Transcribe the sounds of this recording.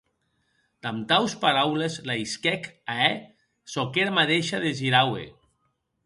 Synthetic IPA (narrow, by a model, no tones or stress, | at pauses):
d̪amt̪awspaɾawlezlaiskɛkaɛ | sokeɾamaðeʃaðeʒiɾawḛ